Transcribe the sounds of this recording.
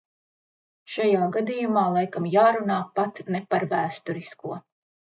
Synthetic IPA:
ʃajaːɡad̪ijumaːlˠajkamjaːɾunaːpat̪nɛpaɾvæːst̪uɾiskuɔ

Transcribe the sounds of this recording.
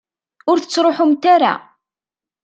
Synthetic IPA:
ʊɾθə̥t͡sːɾˤoħʊmt̪aɾa̰

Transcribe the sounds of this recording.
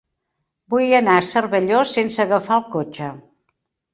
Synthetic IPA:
bujənasərβəʎosensəɣəfalˠkot͡ʃə

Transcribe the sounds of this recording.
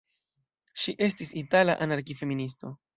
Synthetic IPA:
ʃiʔe̞s̬tisitalaʔanaɾkife̞minis̬to̞

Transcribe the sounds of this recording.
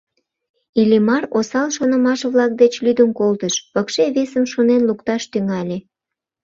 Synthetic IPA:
ilimɑrosɑlʃonə̆mɑʃβlɑk̚d̪et͡ɕlyd̪əmkolt̪əʃpəkʃeβesəmʃonenlukt̪ɑʃt̪yŋɑlʲe

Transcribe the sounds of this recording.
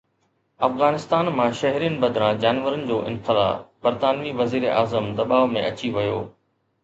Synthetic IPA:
ɐfɣaːnɪst̪aːnmãʃɐɦɾijənɪ̆bɐd̪ɾãd͡ʑaːnʋəɾənɪ̆d͡ʑoːʔɪ̰̃nxɪla̰ːfbɐɾt̪aːnʋiʋɐziːɾeʔaːzəmd̪ɐɓaːʋmẽʔɐt͡ɕiʋɐjoː

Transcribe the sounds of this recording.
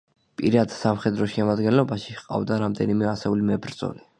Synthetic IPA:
pʼiɾad̪samχɛd̪ɾɔʃɛmad̪ɡɛnlɔbaʃiqʼa̰vd̪aɾamd̪ɛnimɛasɛulimɛbɾd̪z̥ɔ̰li

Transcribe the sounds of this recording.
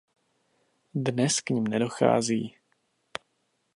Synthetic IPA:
dnɛskɲimnɛdo̞xa̰ːziː

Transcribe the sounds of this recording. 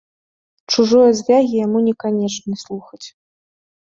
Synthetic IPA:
t͡ʂuʐɔjɐzʲvʲaɣʲijamunʲɛkanʲɛt͡ʂnʲɛslˠuxɐt͡sʲ

